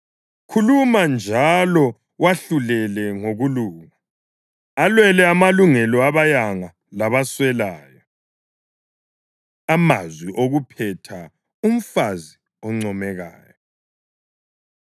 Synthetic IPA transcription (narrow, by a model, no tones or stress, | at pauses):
kʰulumand͡ʒʱalɔ | waɬulɛlɛŋoɣuluːŋa | alwɛlɛamaluŋɛlɔaβajaŋa | laβaswɛlaːjɔ | ama̰zwiʔoɣupʰɛtʰa | um̩fazi | ɔŋ͡ǀɔmɛɣa̰ːjɔ